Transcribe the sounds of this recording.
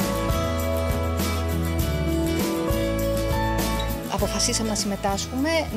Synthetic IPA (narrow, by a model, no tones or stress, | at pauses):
ɐ̰po̞fɐsisɐme̞nɐsime̞t̪ɐsxume̞n